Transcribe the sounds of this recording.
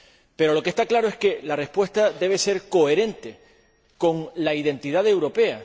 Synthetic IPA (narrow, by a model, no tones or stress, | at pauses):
pe̞ɾo̞lo̞kest̪aklaɾoe̞ske̞lare̞spwe̞st̪ad̪e̞β̞e̞se̞ɾko̞e̞ɾe̞nt̪e̞ | ko̞ŋlaiðe̞nt̪iðaðe̞wɾo̞pe̞a